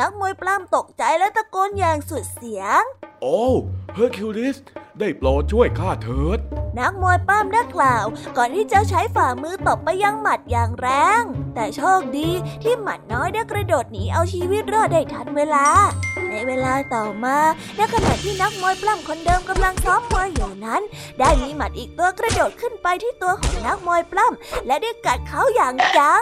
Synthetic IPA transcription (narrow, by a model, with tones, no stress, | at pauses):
na˦˥k̚moː˧jpla˥˩mt̪o˨˩k̚t͡ɕa˧jlɛ˦˥t̪a˧koː˧njaː˨˩ŋsu˨˩t̪̚si˨˩˦əŋʔoː˨˧˥pʰɤː˧˥kʰu˧li˦˥sdaː˥˩jplɔː˧t͡ɕʰu˥˩əjkʰaː˥˩t̪ʰɤː˦˥t̪̚na˦˥k̚moː˧jplaː˥˩mdaː˥˩klaː˨˩wkɔː˨˩nt̪ʰiː˥˩t͡ɕa˨˩t͡ɕʰa˦˥jfaː˨˩mɯː˧t̪o˨˩pːa˧jːa˧ŋma˨˩t̪̚jaː˨˩ŋɾɛː˧ŋt̪ɛː˨˩t͡ɕʰoː˥˩k̚diː˧t̪ʰiː˥˩ma˨˩t̪̚nɔː˦˥jdaː˥˩jkɾa˧doː˨˩t̪̚niː˦˥ʔa˧wt͡ɕʰiː˧wi˦˥t̪̚ɾɯː˥˩ədaː˥˩jt̪ʰa˦˥nweː˧laː˧na˧jweː˧laː˧t̪ɔː˨˩maː˧ | na˦˥kʰa˧na̰˨˩˨t̪ʰiː˥˩na˦˥k̚mu˧əjpla˥˩mkʰo˧ndɤː˧mka˧mla˧ŋt̪ʰɔː˦˥mːu˧əjːaː˨˩ŋna˦˥ndaː˥˩jmiː˧ma˨˩t̪̚ʔiː˨˩k̚t̪u˧ɐkɾa˧doː˨˩t̪̚kʰɯ˥˩npa˧jt̪ʰiː˥˩t̪u˧ɐkʰɔː˩˦ŋna˦˥k̚mu˧jpla˥˩mlɛ˦˥daː˥˩jka˨˩t̪̚kʰa˦˥wjaː˨˩ŋt͡ɕa˧ŋ